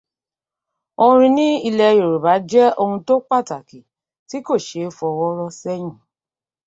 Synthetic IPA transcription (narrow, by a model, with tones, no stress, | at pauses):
õ˧ɾ̃ĩ˧nĩ˦i˧lɛ˧jo˨ɾo˨ba˨˦d͡ʒɛ˦o˧hũ˧to˦k͡pa˦˨ta˨ki˨ | ti˨˦ko˦˨ʃe˨˦fɔ˧wɔ˦ɾɔ˦sɛ˦j̃ĩ˦˨